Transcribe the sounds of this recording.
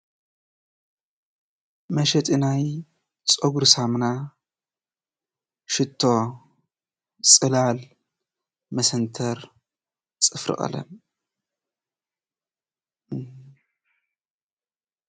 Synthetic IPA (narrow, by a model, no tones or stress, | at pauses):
mɐʃɛt̪ʼɨnaj | t͡sʼoɡuɾsamna | ʃɪt̪ʰːo̞ | t͡sʼɨlal | mɐsɐnt̪ʰɐɾ | t͡sʼɨfɾɨ̰χʼɐ̰lɐ̰n